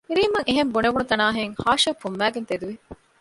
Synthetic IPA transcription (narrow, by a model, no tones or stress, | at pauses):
hiɾiːmɐŋeɦembuneʋunut̪ɐnaːɦeŋhaːʃɐfumʋæːɡent̪ed̪uʋi